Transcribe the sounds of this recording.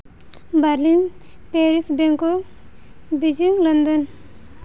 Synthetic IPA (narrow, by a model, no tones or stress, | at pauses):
bɐɾlin | peːɾisbeŋko | bid͡ʒiŋlɐnd̪ən